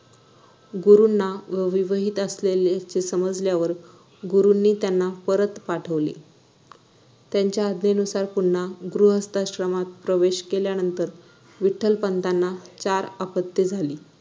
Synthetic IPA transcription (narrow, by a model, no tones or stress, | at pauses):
ɡuɾunːaʋʋiʋəɦit̪əslelat͡ɕesəməd͡zljaʋəɾ | ɡuɾunːiːt̪janːapəɾət̪paʈʰəʋlḛ | t̪jaɲt͡ɕjaːd̪nenusaɾpuɳːaɡɾuɦəst̪aɕɾəmat̪̚pɾəʋeɕkeljanənt̪əɾ | ʋiʈʰːəlpənt̪anːat͡ɕaɾapət̪ːid͡zʱaliː